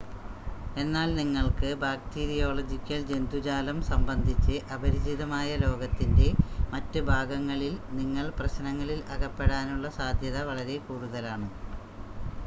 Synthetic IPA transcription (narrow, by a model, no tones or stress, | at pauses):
e̞nːaːlniŋːɐɭkɨbaːk̚tiɾijo̞ːɭɐd͡ʑikʲːɐld͡ʑe̞nd̪ʱud͡ʑaːlɐmsɐmbɐnd̪ʱit͡ɕːɨʔɐbʱɐɾid͡ʑiðɐmaːjɐlo̞ːɡɐt̪ːinde̞mɐtːɨbʱaːɡɐŋːɐɭilniŋːɐɭprɐɕnɐŋːɐɭilɐɣɐpːe̞ɽaːnuɭːɐsaːd̪ʱjɐðɐʋɐɭɐɾe̞kuːɽuðɐlaːɳɨ